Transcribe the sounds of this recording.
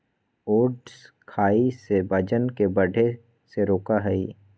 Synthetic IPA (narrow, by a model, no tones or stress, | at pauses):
oːɖs | kʰaːisebəd͡ʒənkebəɖʱe | seɾoːkaɦɛi